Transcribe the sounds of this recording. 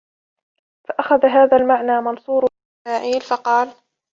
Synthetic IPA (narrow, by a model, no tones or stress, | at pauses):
faʔaxaðaɦaːðalmaʕnaːmɑnsˤuːɾ | maːʕiːlfɑqɑːl